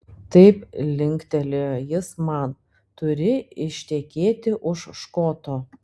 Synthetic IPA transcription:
t̪ɐɪplʲɪŋʲkt̪ʲɛlʲejɪsmɐn | t̪ʊɾʲɪɪʃʲt̪ʲɛkʲeːt̪ʲɪʔʊʃʃkoːt̪oː

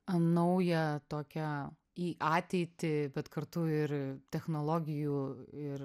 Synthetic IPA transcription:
ɐnɐʊjɛt̪oːkʲɛ | iːʔɑːt̪ʲɛɪt̪ʲɪbʲɛt̪kɐɾt̪ʊɪɾt̪ʲɛxnoːlˠoːɡʲɪjuːɪɾ

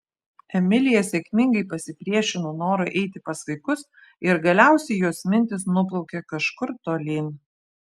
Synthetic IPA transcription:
ɛmʲɪlʲɪjɛsʲɛkʲmʲɪŋɡɐɪpɐsʲɪpʲɾʲiɛʃʲɪnoːnoːɾoʔɛɪt̪ʲɪpɐsʋɐɪkʊs | ɪɾɡɐlʲæˑʊsʲɛɪjuɔsmʲɪnʲt̪ʲɪsnʊp̬lˠɒʊkʲɛkɐʃkʊɾt̪oːlʲiːnʲ

